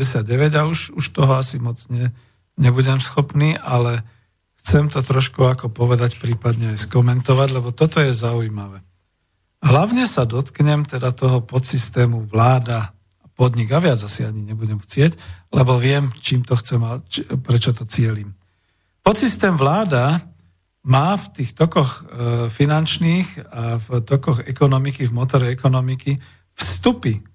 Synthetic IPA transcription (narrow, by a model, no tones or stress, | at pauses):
ɛsɪad̪̚ɟɛʋɛɟauʃuʃt̪ɔɦɔasimɔd͡zɲɛ | ɲɛbuɟɛmsxɔpniːʔalɛ | xt͡sɛmt̪ɔt̪ɾɔʃkuakɔpɔʋɛd̪acpɾiːpad̪ɲɛajskɔmɛnt̪ɔʋaɟlɛbɔt̪ɔt̪ɔjɛzaujimaʋɛ | ɦlaʊɲɛsad̪ɔt̪kɲɛmt̪ɛd̪at̪ɔɦɔpɔt̪sist̪ɛːmuʋlaːd̪a | pɔd̪ɲiɡaʋɪad͡zasiaɲiɲɛbuɟɛmxt͡sɪɛclɛbɔʋɪɛmt͡ʃiːmt̪ɔxt͡sɛmapɾɛt͡ʃɔt̪ɔt͡sɪɛliːm | pɔt̪sist̪ɛːmʋlaːd̪a | maːft̪iːxt̪ɔkɔxfinant͡ʃniːxaft̪ɔkɔɣɛkɔnɔmikivmɔt̪ɔɾɛɛkɔnɔmiki | fst̪upi